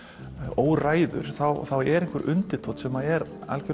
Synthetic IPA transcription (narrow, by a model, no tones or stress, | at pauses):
oːwraːjðʏ̰ɾ̥θawθawɛɾẽŋkvʏɾʔʏ̰nt̪ɪt̪ʰowt̪sɛmaðɛɾa̰lcɪ